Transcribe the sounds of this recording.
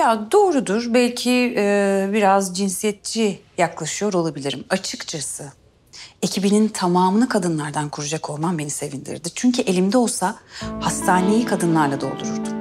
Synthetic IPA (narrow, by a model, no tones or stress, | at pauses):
jad̪o̞ːɾud̪uɾbælʲcʰi | biɾazd͡ʒinsijɛt̪̚t͡ʃʰijaklˠaʃɯjo̞ɾo̞lˠabilʲiɾimat͡ʃʰɯkt͡ʃʰasɯ | e̞cʰibinint̪ʰamaːmlˠɯkʰad̪ɯnlˠaɾd̪ankʰuɾud͡ʒakʰo̞lˠmambenise̞vind̪ḭɾd̪it͡ʃʰyɲcʰyʔe̞lʲimd̪ɛo̞lˠsahast̪ʰaːne̞jikʰad̪ɯnlˠaɾlˠad̪o̞̰lˠuɾuɾd̪u